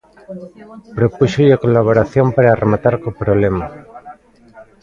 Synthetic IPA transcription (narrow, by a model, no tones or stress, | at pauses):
pɾopuʃoʎakolaβ̞oɾaθjompaɾaːrʔemat̪aɾkopɾoβlema